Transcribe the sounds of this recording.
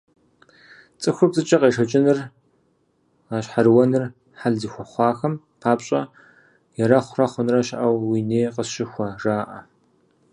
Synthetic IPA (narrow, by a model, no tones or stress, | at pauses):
t͡sʼɨxʷʊpzʼɨt͡ʃʼɐqʼeːʂɐt͡ʃʼɪnɨr | aːɕħarwɐnɨr | ħaɮzixʷɐχʷɑːxɐm | qʰaːpɕʼɐ | jɛɾɐχʷʊrɐχʷʊnrɐʃʔɐwwineːqəʃɪxʷɐraːʔɐ